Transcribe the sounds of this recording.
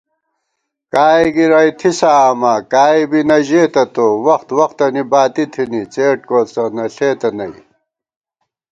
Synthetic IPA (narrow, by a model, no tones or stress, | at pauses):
kaːiɡiɾɐjt̪ʰisaːmɐkaːibinɐʑeːt̪ɐt̪owɐxt̪wɐxt̪ɐnibaːt̪it̪ʰinit͡seːʈ̚koːt͡sɐnɐɬeːt̪ɐnɐi